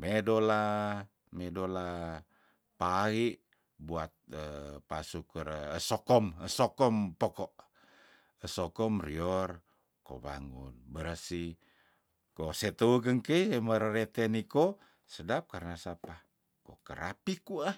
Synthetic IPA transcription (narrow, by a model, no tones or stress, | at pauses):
medola | medola | paiʔ | buat̪̚əpasukərəsɔkɔməsɔkɔmpɔkɔʔ | əsɔkɔmriɔr | ko̰βa̰ŋṵnbəɾəsi | koset̪uuɡəŋkeieməɾəɾet̪eniko | sədap̚karnasapa | kokəɾa̰pikua